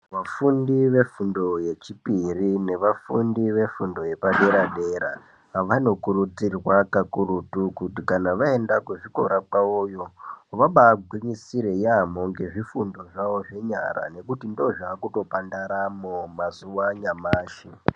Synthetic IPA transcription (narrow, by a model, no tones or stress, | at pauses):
ʋafundiʋe̞fundo̞je̞t͡ʃipirine̞ʋafundiʋe̞fundo̞je̞paɗe̞ɾaɗeɾa̰ | ʋano̞kuɾud͡zirwakakurutukutikanaʋae̞ndakuʐiko̞̰ɾakaojo̞ʋaɓaɡʱwiɲisiɾe̞jamoŋɡe̞ʐifundo̞ʐaʋo̞ʐe̞ɲa̰ɾa̰ne̞kutindo̞ʐaːkuto̞pandaɾamomazuwaɲamaːʃi